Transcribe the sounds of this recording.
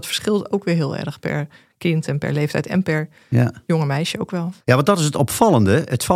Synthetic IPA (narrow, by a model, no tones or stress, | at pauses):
tfə̥ɹsχɪlˠtowkʋɪːɹɦɪːlˠɛ̰rxpɛ̰ɹ | kɪntɛnpɛ̰ɹlejftɛ̰jtɛ̰npɛɹ | jjoŋəmɛjʃəoʊwkʋɛlˠjaʋɑndɔtɪsətɔpfɑlˠəndəətf